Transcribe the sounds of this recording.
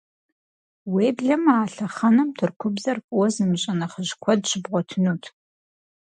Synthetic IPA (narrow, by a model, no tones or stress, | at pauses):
weːbɮɐmaːɬɐχɐnɐmtʰɨrkʷʰʊbzɐrpʼʊwɔzɨmɕʼɐnɐχəʒkʷʰɔdɕɪbʁʷɔtʰɨnuːtʰ